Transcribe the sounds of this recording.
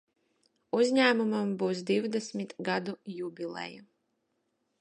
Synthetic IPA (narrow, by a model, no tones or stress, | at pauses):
uzɲʲæːmumambuːsd̪iwd̪ɛsmʲit̪ɡad̪ujubʲilˠɛ̰ju